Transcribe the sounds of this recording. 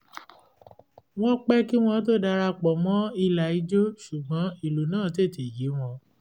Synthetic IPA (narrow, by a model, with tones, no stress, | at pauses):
w̃ɔ̃˦k͡pɛ˦ki˦w̃ɔ̃˧t̬o˦da˧ɾa˧k͡pɔ˨mɔ̃˦i˧la˨i˨˧˦d͡ʒo˦ʃu˨ɡ͡bɔ̃˨˦i˦˨lu˨nãː˦˨te˦˨te˨ji˨˦w̃ɔ̃˧